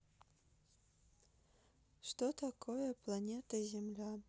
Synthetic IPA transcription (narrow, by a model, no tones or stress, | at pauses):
ʂtot̪ʰakʰojɐpʰlˠanʲet̪ʰɐzʲemlʲa